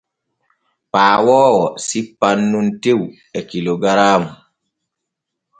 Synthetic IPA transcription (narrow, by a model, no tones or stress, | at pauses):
paːwɔːwɔsipːanːuntew | ɛkiloɡaɾaːmu